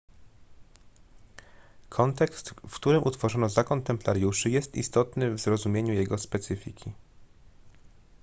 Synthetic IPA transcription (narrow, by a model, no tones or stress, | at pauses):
kʰɔnt̪ɛkst̪fkt̪uɾɘmʔut̪fɔʐɔnɔzakɔnt̪ɛmplaɾjuʂɘjɛst̪ḭst̪ɔt̪nɘvzɾɔzumʲjeɲujɛɡɔspɛt̪sɘfʲikʲi